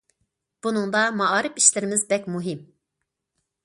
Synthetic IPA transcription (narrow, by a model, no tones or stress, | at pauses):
b̥unɨŋd̪ɑmɑɑːɾɨpi̥ʃlɪɾɪmɪzbɛkʲmuɦim